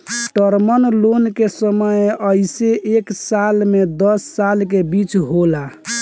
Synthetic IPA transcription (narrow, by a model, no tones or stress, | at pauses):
ʈəɾmənlonkesəməjəɪseʔeksalmed̪əsːalk̬ebit͡ʃɦola